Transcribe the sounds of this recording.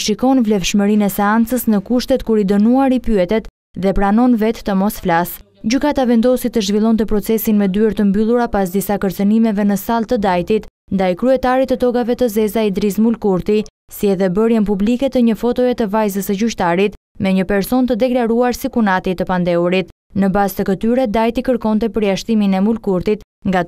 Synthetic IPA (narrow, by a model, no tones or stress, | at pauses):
ʃikɔnvlɛfʃməɾinɛsɛant͡səsnəkuʃt̪ɛt̪kuɾid̪ənuaɾipyɛt̪ɛt̪ | ðɛpɾanɔnvɛt̪ːəmɔsflas | d͡ʑykat̪avɛnd̪ɔsit̪ːəʒvilˠɔnt̪əpɾɔt͡sɛsinmɛd̪yɛɾt̪əmbylˠuɾapasd̪isakəɾt͡sənimɛvɛnəsalˠt̪əd̪ajt̪it̪ | nd̪ajkɾyɛt̪aɾit̪ət̪ɔɡavɛt̪əzɛzaid̪ɾizmulkuɾt̪i | siɛðɛbəɾjənpublikɛt̪əɲəfɔt̪ɔɛt̪əvajzəsəd͡ʑyʃt̪aɾit̪ | mɛɲəpɛɾsɔnt̪əd̪ɛklaɾuaɾsikunat̪it̪əpand̪ɛuɾit̪ | nəbast̪əkət̪yɾɛd̪ajt̪ikəɾkɔnt̪ɛpəɾjaʃt̪iminɛmulkuɾt̪it̪ | ŋɡa